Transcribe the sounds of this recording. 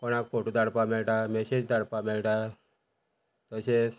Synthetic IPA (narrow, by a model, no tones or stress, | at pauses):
kɔɽ̃ak̚foʈud̪aɽpamɛlʈamɛɕed͡ʑd̪aɽpamɛlʈa | t̪əses